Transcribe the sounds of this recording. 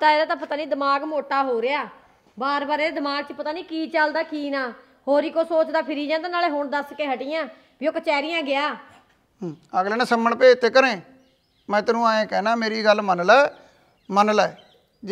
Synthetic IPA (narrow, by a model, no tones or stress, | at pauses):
t̪aːeːd̪aːt̪ãːpət̪aːniːd̪əmaːɡmoːʈaːɦoːɾeaː | baːɾbaːɾeːed̪ɪmaːɡ̚t͡ʃəpət̪aːniːkiːt͡ʃəld̪aːkiːnaː | hoːɾiːkoːsoːt͡ʃd̪aːpʰɪɾiːd͡ʒãːnd̪anaːleɦoɳd̪əskeːɦəʈiːjãː | biːoːkət͡ʃɛːɾɪjãːɡɪaː | əɡleːnãːsəməɳpeːt̪ʰːeːkəɾẽː | mɛ̃ːt̪ənũːaːẽːkɛːnaːmeːɾiːɡəlmənlɛː | mənəlɛː | d͡ʒ